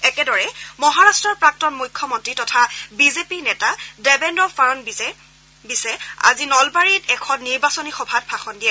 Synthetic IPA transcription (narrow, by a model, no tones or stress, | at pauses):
ɛkɛdɔɹɛmɔɦaɹastɹɔɹpɹak̚tɔnmujkʰːɔmɔntɹitɔtʰabizepinɛtadɛbɛndɔfaɹɔn | bisɛa̰zinɔlbaɹitɛkʰɔnːiɹbasɔnixɔbʱat̚paxɔndijɛ